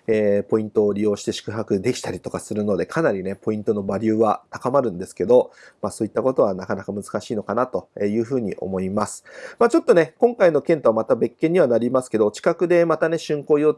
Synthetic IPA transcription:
epo̞ĩnt̪o̞ːɾʲijo̞ːɕi̥t̪e̞ɕi̥kɯ̟ɦakɯ̟d̪e̞kʲi̥t̪aɾʲit̪o̞kasɨɾɯ̟no̞d̪e̞kʰanaɾʲine̞po̞ĩnt̪o̞no̞baɾʲɯ̟ːβat̪akamaɾɯ̟̃nd̪e̞sɨ̥ke̞d̪o̞maːso̞ːit̪ːako̞t̪o̞βanakanakamɯ̟zɨ̥kaɕiːno̞kanat̪o̞eːjɯ̟ːɸɯ̟ːɲ̟ḭʔo̞̰mo̞imasɨ̥maːt͡ɕo̞t̪ːo̞ne̞kõ̞ŋkaino̞kẽ̞nt̪oβamat̪abe̞kːẽ̞ɲ̟ːiβ̞anaɾʲimasɨ̥ke̞d̪o̞t͡ɕi̥kakɯ̟d̪e̞mat̪ane̞ɕɨ̃ŋko̞ːijo̞

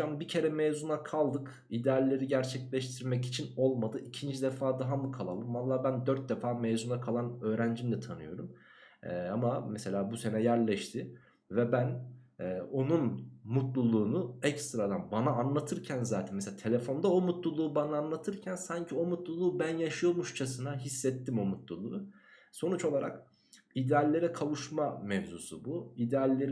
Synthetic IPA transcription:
ambicʰe̞ɾɛmeːzunakʰalˠd̪ɯk | id̪ealʲːe̞ɾiɟæɾt͡ʃʰɛclʲɛʃt̪ʰiɾmɛci̥t͡ʃʰino̞lˠmad̪ɯʔicʰind͡ʒid̪ɛfaːd̪aɦamukʰalˠalˠɯmvalˠːaːbænd̪øɾt̪̚d̪efaːmezunakʰalˠanø̞ːɾænd͡ʒimd̪ɛt̪ʰanɯ̰jo̞̰ɾum | ɛamamɛse̞lʲaːbuse̞nɛjæɾlʲɛʃt̪ʰɪ | vɛbænɛːo̞nunmut̪lˠulˠuːnuɛcst̪ɾad̪anbanaːnlˠat̪ʰɯɾcʰænzaːt̪ʰɛnmes̬eat̪ʰe̞lʲefo̞nd̪ao̞mut̪lˠulˠuːbanaːnlˠat̪ʰɯɾcʰænsaɲcʰio̞mut̪lˠulˠuːbænjaʃɯjomuʃt͡ʃʰasɯnaɦisːɛt̪ːimo̞mut̪lˠulˠuː | so̞nut͡ʃo̞lˠaɾa̰k | id̪ɛalʲːe̞ɾɛkʰalˠuʃmamɛvzusubuid̪ealʲːe̞ɾ

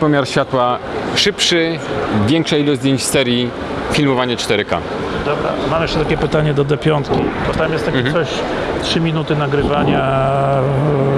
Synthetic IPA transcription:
pɔmʲjaɾɕfʲat̪waʂɘpʂɘvʲjɛŋkʂailɔzd̪ʲjeɲt͡ɕsɛɾʲji | fʲilmɔvaɲɛt͡ʂt̪ɛɾɘka̰ | d̪ɔbɾa̰mamjɛʂt͡ʂɛt̪akʲɛpɘt̪aɲɛd̪ɔd̪ɛpʲjɔnt̪kʲib̪ɔt̪amjɛst̪ːaksɔɕ | tʂɘmʲinut̪ɘnaɡɾɘvaɲa

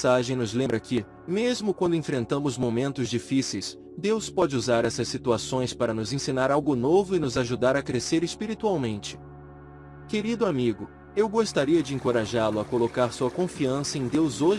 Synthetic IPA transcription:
saʒẽj̃nʊzlẽmbɾɐkʰɪ | mezmʊkwɐ̃nd̪ʊẽfɾẽnt̪ɐ̃mʊzmomẽnt̪ʊzd͡ʒifisejs | d̪ewspɔd͡ʒɪuzaɾɛsɐsːit̪uasõj̃spaɾɐnʊzẽsĩnaɾawɡʊnovʊɪnʊzaʒud̪aɾɐkɾeseɾespiɾit̪uawmẽnt͡ʃɪ̥ | keɾid̪ʊamiɡʊ | ewɡost̪aɾiɐd͡ʒɪẽŋkoɾaʒalʊɐkolokaɾsuɐkõfiɐ̃sɐẽd̪ewzoʒ

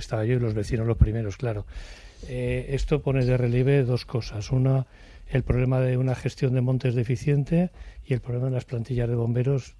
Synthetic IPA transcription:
est̪aβaʝoilo̞zβe̞θino̞zlo̞spɾime̞ɾo̞sklaɾo̞ | eest̪o̞po̞neðe̞re̞ljeβ̞e̞ðo̞sko̞sasuna | e̞lpɾo̞β̞le̞maðeunaχe̞st̪jo̞nd̪emõ̞nt̪ezðefiθje̞nt̪e̞ie̞lpɾoβlemaðelasplant̪iʎazð̞e̞β̞o̞mbe̞ɾo̞s

